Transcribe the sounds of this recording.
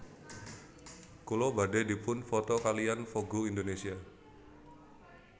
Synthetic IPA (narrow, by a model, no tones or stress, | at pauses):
kulɔbade̤di̤pʊnfɔt̪ɔkalijanfoɡuindonesia